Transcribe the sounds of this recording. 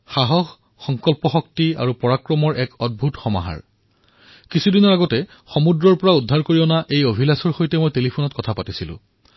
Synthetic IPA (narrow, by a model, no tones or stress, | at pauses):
xaɦɔxː | ɔŋkɔlpɔxɔk̚tia̰ɹupɔɹakɹɔmɔɹʔɛkɔd̚bʱutxɔma̰ɦa̰ɹ | kisʰudinɔɹaɡɔtɛ | xɔmudɹɔɹpɔɹaudʱːaɹkoɹiɔnaʔejobʱilasɔɹxojtɛmojtelipʰunɔtkɔtʰapatisilʊ̰̃